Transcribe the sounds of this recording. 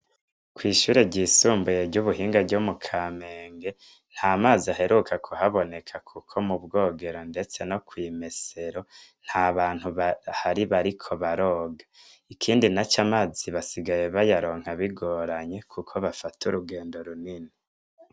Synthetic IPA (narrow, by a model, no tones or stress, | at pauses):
kwiːʃuːɾeɟiːsuːmbujeɾɟuβuɦiːŋɡaɟomukʰame̞ːŋɡe̞ | n̥haːmaːziaɦe̞ɾukʰakʰuhaβo̞ne̞kʰakʰukʰo̞mubɡo̞ːɡe̞ɾo̞nde̞t͡se̞no̞kwiːme̞se̞ɾo̞n̥haβaːn̥huβhaɾiβaɾikʰo̞βaɾo̞ːɡḁ | ikʰiːndinat͡ʃamaːziβasiɡaje̞βajaɾo̞ːŋ̥haβiɡo̞ɾaɲe̞kʰukʰo̞βafatuɾuɡe̞ːndo̞ɾunini